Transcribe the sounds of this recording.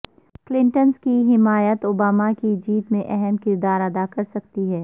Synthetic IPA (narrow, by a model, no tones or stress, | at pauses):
klɪ̃ɳʈənskiɦɪmaːjət̪oːbaːmakid͡ʒiːt̪mẽʔɛɦɛmkɪɾd̪aːɾɐd̪akɐɾsɐkt̪iɦɛː